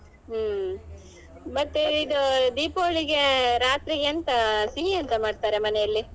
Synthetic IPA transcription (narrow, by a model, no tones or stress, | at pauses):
mɐt̪ːeid̪ud̪iːpoːɭiɡe̞ɾaːt̪ɾiɡeɐnt̪ɐsiɦiɐnt̪ɐmaːɖt̪aːɾe̞mɐnejɐlːi